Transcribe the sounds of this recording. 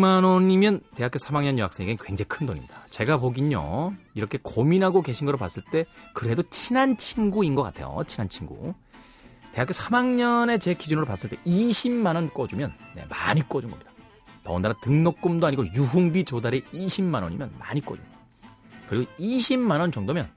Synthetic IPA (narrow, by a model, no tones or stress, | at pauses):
manʌɲimjʌnte̞ɦak͈josʰamaŋɲʌnjʌɦaks͈eŋiɡenkwe̞ŋd͡ʑekʰɯndoɲimɲid̥at͡ɕe̞ɡap̬oɡiɲo̰iɾʌkʰe̞kominɦaɡoke̞ɕʰinɡʌɾopas͈ɯɭt͈e̞kɯɾe̞dot͡ɕʰinant͡ɕʰiŋɡuinɡʌk͈atʰe̞̰jo̰t͡ɕʰinant͡ɕʰiŋɡṵ | te̞ɦakjosʰamaŋɲʌne̞t͡ɕe̞kid͡ʑunɯɾopas͈ɯɭt͈e̞iɕʰimːanʌnk͈ʌd͡ʑumjʌnːe̞̰maɲik͈ʌd͡ʑunɡʌ̰mɲid̥ḁ | tʌundaɾatɯŋnok̚k͈umdoaɲiɡojuɦuŋbit͡ɕodaɾe̞iɕʰimːanʌ̰ɲḭmjʌ̰nma̰ɲik͈ʌd͡ʑṵn | kɯɾiɡoiɕʰimːanʌnt͡ɕʌŋdomjʌ̰n